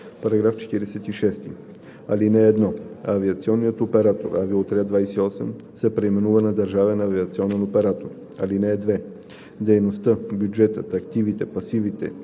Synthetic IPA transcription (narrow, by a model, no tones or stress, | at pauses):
pɐɾɐɡɾaft͡ʃɛ̥t̪iɾɛsɛt̪iʃɛst̪i | ɐlinɛːd̪nɔɐviɐt̪siɔnːijət̪opɛɾat̪o̰ɾɐvilˠot̪ɾʲad̪vajsɛiɔsɛm | sɛpɾɛimɛnuvənɐd̪ɐɾʒavɛnɐːviət̪siɔnɛnopɛɾat̪oɾ | ɐ̰linɛːd̪vɛ | d̪ɛjnost̪əbjud͡ʒɛt̪ə̰t̪ɐkt̪ivit̪ɛpɐsivit̪ɛ̰